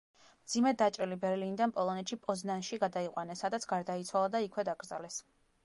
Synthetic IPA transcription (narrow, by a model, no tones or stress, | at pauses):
md̪zimɛd̪at͡ʃʼɾɛlibɛɾlinid̪anpʼɔlˠɔnɛt̪ʃipʼɔznanʃiɡad̪aiqʼwanɛsad̪at̪sʰɡ̥aɾd̪ait̪sʰwalˠad̪aikʰwɛd̪aɡɾd̪za̰lɛs